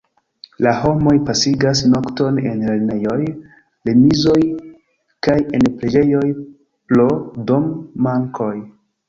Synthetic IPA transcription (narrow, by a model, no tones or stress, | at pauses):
laɦo̞mo̞jpasiɡas̬no̞kto̞ne̞̰nleɾne̞jo̞j | lemizo̞j | kaje̞npɾed͡ʒe̞jo̞j | plodomːaŋkʰo̞j